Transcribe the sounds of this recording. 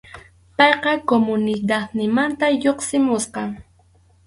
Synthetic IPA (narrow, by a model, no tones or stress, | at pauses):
pɑjqɑkomʊnɪd̪ad̪nɪmant̪ajoqsɪmʊsqɑ